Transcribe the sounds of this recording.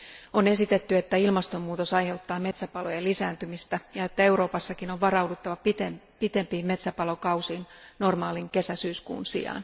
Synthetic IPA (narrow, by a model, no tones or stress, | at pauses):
o̞ne̞sit̪e̞t̪ːye̞t̪ːæilmɑst̪o̞mːuːt̪o̞sɑjhe̞wt̪ːɑːme̞t̪sæpɑlo̞jelisæːnt̪ymist̪æjɑe̞t̪ːæe̞wɾo̞ːpɑsːɑkinoʋʋɑɾɑwdut̪ːɑʋɑp̪e | pit̪e̞mpiːmme̞t̪sæpɑlo̞kɑwsiːn | no̞rmɑːliŋke̞sæsyːskṵːnsḭɑ̰n